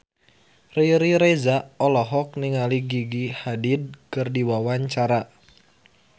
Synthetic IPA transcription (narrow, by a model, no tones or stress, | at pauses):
riɾiɾezaʔɔlɔɦɔk̚niŋaliɡiɡihadid̚kɨrdiwawaɲt͡ʃaɾa